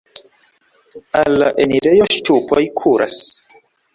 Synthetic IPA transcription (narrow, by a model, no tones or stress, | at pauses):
alːaʔeniɾe̞jo̞ʃtupʰojkʰuɾʔa̰s